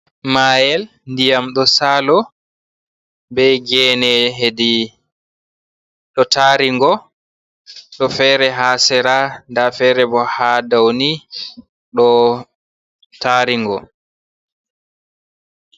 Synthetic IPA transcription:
maːjɛl | ndijamɗɔsaːlɔ | bɛjɡɛːnɛɦedi | ɗɔtʰaɾiŋɡɔ | ɗɔfɛːɾɛɦaːsɛɾandafɛːɾɛbɔhadawni | ɗɔ | taɾiŋɡɔ̰

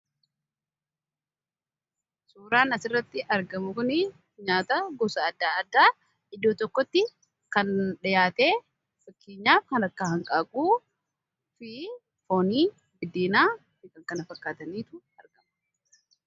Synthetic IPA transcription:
suːɾaːnɐsɪrːɐt̪ːɪʔɐɾɡɐmʊkʊnɪ | ɲaːt̪ɐɡɔsɐːd̪ːaːɐd̪ːaː | ɪd̪ːoːt̪ɔkːɔt̪ːɪ | kɐnᶑɪjaːt̪eː | fɐkːeːɲːaːfkɐnɐkːaːhɐŋkʼaːkʼuː | fɪ | fo̞ːniː | bɪd̪iːnaː | mɪkʼɐŋkɐnɐfɐkːaːt̪ɐniːt̪ʊ | ɐɾɡɐmʊ

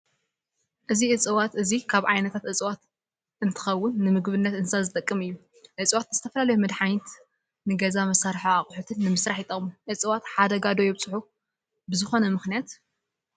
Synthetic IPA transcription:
ʔɨziʔɨt͡sʼɨwat̪ɨzikʰaβʕajnɐt̪ʰat̪ʔɨt͡sʼwat̪ | ʔɨnt̪ʰɨ̥xɐwːʊnːɨmɨɡβɨnːɐt̪ɨnsazɨt̪ʼɐkʼːɨmɨjːu | ʔɨt͡sʼɨwat̪z̥ɨt̪ʰɐfɐlalɐjumɨd̪ħajt̪ | nɨɡɐzamɐsaɾħaaχʼħut̪ʰɨnːɨmɨsɾaħit̪ʼɐmʔɨt͡sʼɨwat̪ħad̪ɐɡad̪o̞jɛβt͡sʼɨħu | bɨzɨxo̞nɐmɨxnijat̪

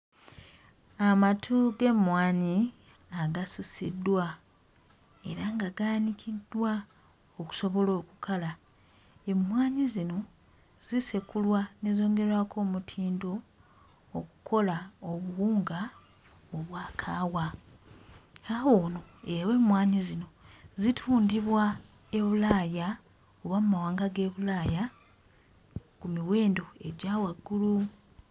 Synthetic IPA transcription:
amatʰuɡe̞mwaːɲi | aɡasusidːwa | e̞ɾaŋɡaɡaːnikʰidːwa | oku̥so̞βo̞lo̞ːkukala | e̞mwaːɲizino̞ | z̥isekulwanezo̞ːŋɡe̞ɾwakʰo̞ːmutʰiːndo̞ː | ku̥kʰo̞laoβuwuːŋɡa | oβwaːkʰaːwa | awo̞ːno̞ewe̞ːmwaːɲizino̞zitʰuːndiβwa | e̞βulaːja | uβamumawaːŋɡaɡe̞ːβulaːja | kumiwe̞ːndo̞e̞̰ɟaːwaɡːulu

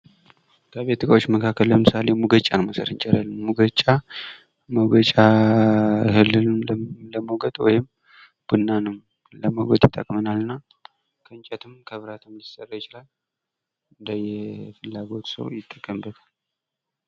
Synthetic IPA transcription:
t̪ʰəβet̪ːɨkʼawot͡ʃːməkʰakʰːəlləmɨsale̞muɡət͡ʃʼːanməsə̰ɾɨnt͡ʃʼɛɾalmuɡət͡ʃʼːa | məɡət͡ʃʼa | hɨlːɨləməwɡəd̪wɔjɪm | b̥ɨnːanɨm | ləməwɡət̪jɪt̪ʼːəkʼmənalɨnːa | kʰəɨnt͡ʃʼɛt̪ʰɨmkʰəβɨɾat̪ʰɨmjɪsʼərːəjɪt͡ʃɪlal | ɨnd̪əjɛfɨlːaɡo̞t̪sə̰wjɪt̪ʼːəkʼːəmbət̪ʰal

